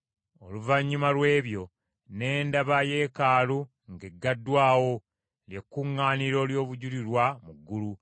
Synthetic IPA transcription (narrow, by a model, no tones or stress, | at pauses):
o̞luvaɲːumalwe̞ːβjo̞ | ne̞ːndaβaje̞kaːlu | ŋɡeɡːadːwaːwo̞ | ljekːuŋːaːniɾo̞ːljo̞ːβuɟuliɾwamuɡːulu